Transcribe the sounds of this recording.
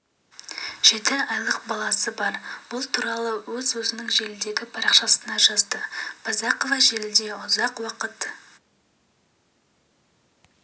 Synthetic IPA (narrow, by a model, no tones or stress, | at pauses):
ʒ̥e̞t̪ɪɑjlˠəq̚bɑlˠɑsəbɑɾb̥ʊlˠt̪ʰuɾɑlˠəwɵzwɵzɪnəŋʒe̞lɪd̪e̞ɡʲɪpʰɑɾɑqʃɑsənɑʒɑzd̪əb̥ɑzɑqovɑʒe̞lɪd̪e̞ʊzɑqwɑqət̪